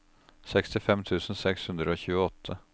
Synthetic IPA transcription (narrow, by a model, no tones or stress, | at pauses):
sɛkst̪ɪfɛmt̪ʰʉːsənsɛkshʉnd̪ɾəoːçʉ̟ːəɔt̪ʰːə